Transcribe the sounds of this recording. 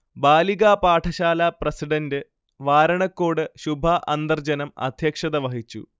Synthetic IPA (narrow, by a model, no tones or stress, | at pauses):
baːliɣaːpaːʈʰɐɕaːlɐprɐsiɖɐndɨ | ʋaːɾɐɳɐkːoːɽɨɕubʱɐʔɐnd̪ɐrd͡ʑɐnɐmɐ̰d̪ʱjɐkʂɐðɐʋɐɦit͡ɕːṵ